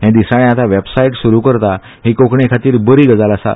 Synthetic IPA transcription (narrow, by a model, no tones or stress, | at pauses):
ɦɛ̃d̪isaɽ̃ẽat̪aʋebsaiʈsuɾukəɾt̪a | ɦikokɳekʰat̪iːɾbəɾiːɡəd͡zalasa̰